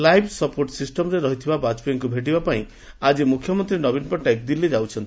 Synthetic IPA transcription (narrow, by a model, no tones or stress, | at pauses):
lajbʰʱsɔpoɾʈsisʈɔmɾeɾɔɦit̪ʰibabat͡ʃbeŋkubʱeʈ̬ibapaĩ | ad͡ʒimukʰːjɔmɔnt̪ɾinɔbinpɔʈaek̚d̪ilːid͡ʒawt͡ʃʰɔnt̪ii